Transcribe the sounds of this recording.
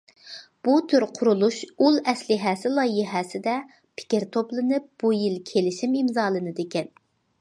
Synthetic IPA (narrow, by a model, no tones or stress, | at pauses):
b̥ut̪ʰyɾqʰʊɾulˠuʃulˠɛslɪɦɛsɪlˠɑjiɦɛsɪd̪ɛ | pʰɪ̥kʲɪɾt̪ʰoplˠɨnɨp̚b̥ujilkʲʰelɪʃimimzɑːlˠɨnɨd̪ekʲɛn